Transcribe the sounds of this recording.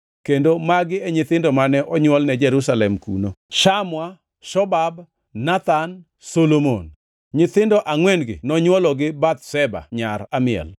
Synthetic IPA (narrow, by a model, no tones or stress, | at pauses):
kendomaɡɪɛɲɪt̪ɪndɔmanɛʔɔɲwɔlnɛd͡ʒɛɾusalɛmkṵnoʃamwa | ʃɔbab | nat̪an | solomo̰n | ɲɪt̪ɪndɔʔaŋwɛnɡɪ̰nɔɲwɔlɔɡɪbat̪sɛba̰ɲaɾamɪɛ̰l